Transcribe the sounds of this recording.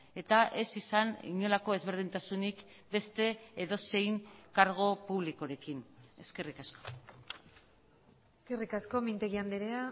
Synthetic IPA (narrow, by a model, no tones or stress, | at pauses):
e̞t̪aʔe̞sisanḭɲo̞lako̞e̞zβe̞ɾð̞int̪asunik | be̞st̪e̞ːðo̞se̞jŋkaɾɣ̞o̞puβlikoɾe̞kine̞̰ske̞rikasko̥ | eske̞rikasko̞mint̪eɣiand̪eɾea